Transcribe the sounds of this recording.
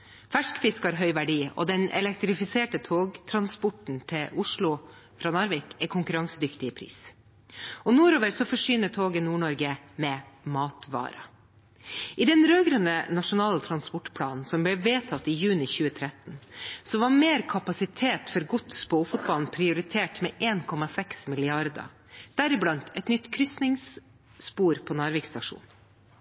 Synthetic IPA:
fæʂkfɪskɑɾɦœʏʋæɖiːɔ̰d̪ɛnɛ̰lɛkt̪ɾɪfɪseːʈət̪ʰoːɡt̪ʰɾɑnspɔʈɳ̩t̪ʰɪlʊʂlʊ | fɾɑːnɑːɾʋeːkɛɪkʰʊŋkʉɾɑŋsəd̪ʏkt̪ɪəpʰɾḭːs | ɔnuːɾoːʋəɾsɔfɔʂyːnət̪ʰoːɡənuːɳɔɾɡəmɛmɑːt̪ʋɑ̰ːɾɑ̰ | ʔɪd̪ɛnɾøːɡɾɑnənɑʂʊnɑːlət̪ʰɾɑnspɔʈːpʰlɑːnn̩sɔmblɛʋeːt̪ʰɑt̪ːɪjʉːnɪçʉːət̪ʰɾɛt̪ːn̩sɔʋɑmeːɾkʰɑpɑsɪt̪ʰeːt̪fɔɾɡʊt̪spʰɔuːfʊt̪̚bɑln̩pʰɾɪʊɾɪt̪ʰeːʈmɛʔeːnkʰɔmɑsɛksmɪlɪɑɾd̪ɑ̰ | d̪̥æɾɪblɑnt̪ʰɛt̪nʏt̪ːkʰɾʏsnɪŋsː | puːɾpʰɔnɑːɾʋɪkst̪ɑʂṵːn

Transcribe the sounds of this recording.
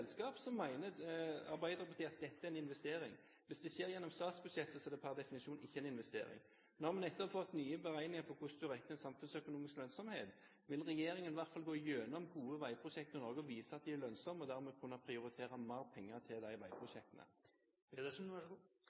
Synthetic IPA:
lskɑːpsɔmːæɪnəɑʁbæɪd̪əʁəpɑt̪ʰiːɑt̪̚d̪ɛt̪ːəæɾɛnɪnʋɛst̪eːɾɪŋ | ʋɪsd̪ɛseːɾjɛnːɔmst̪ɑːt̪sbʉd̪ʃɛt̪ːəsɔɛd̪ɛpʰɑʁd̪ɛfɪnɪʃuːnɪçːəɛnɪnʋɛst̪ḛːɾɪ̰ŋ | nɔʁmɑnɛt̪ːɔpfɔt̪ːnyːəbəɾæɪnɪŋəɾpʰɔkʰʊsd̪ʉʁɛkːəɛnsɑmfʉnsœkʊnuːmɪsklœnsɔmhḛːt̪ | ʋɪlʁɛjeːɾɪŋənʋæʁt̪fɑlɡoːjøːnəɔmɡuːəʋæɪpʰɾʊʃɛkt̪əɪnɔʁɡəʋiːsəɑt̪̚d̪ɪælœnsɔmːɔd̪æʁmɛːkʰʉnːəpʰɾɪʊɾɪt̪ʰeːɾɑmæːʁpʰɛŋːət̪ʰɪld̪æɪʋæɪpʰʁʊʃɛk̚t̪ənə̰

